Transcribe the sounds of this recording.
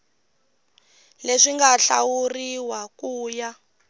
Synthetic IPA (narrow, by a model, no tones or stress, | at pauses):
leʂiŋɡaɬa̰wuriwakuːja